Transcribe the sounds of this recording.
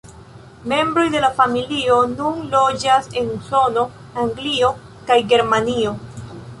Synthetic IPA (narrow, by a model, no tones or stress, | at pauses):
me̞mbɾo̞jde̞lafamilio̞nunlo̞d͡ʒase̞nuso̞no̞ | aŋɡlio̞ | kajɡe̞ɾmanio̞